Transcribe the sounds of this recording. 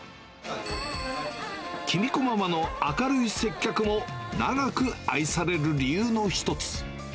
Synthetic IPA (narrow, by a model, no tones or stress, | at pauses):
kʲʰimʲiko̞mamano̞akaɾɯ̟ise̞kʲːakɯ̟mo̞naɡakɯ̟a̰isaɾe̞ɾɯ̟ɾʲijɯːno̞çi̥t̪o̞t͡sɨ̥